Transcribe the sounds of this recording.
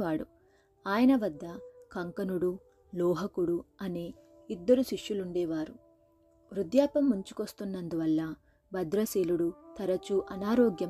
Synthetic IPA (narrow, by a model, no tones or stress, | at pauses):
aːɽṵ | aːjɐnɐʋɐd̪ːɐkɐŋkɐnuɽu | lɔːɦɐkuɽuɐneː | id̪ːɐɾuʃiʂjuluɳɖɛːʋaːɾu | ʋɾud̪jaːpɐmːuɲt͡ʃu̥kost̪unːɐnd̪uʋɐlːɐ | bʱɐd̪ɾɐseːluɽut̪ɐɾɐt͡ʃuʔɐnaːɾɔːɡjɐ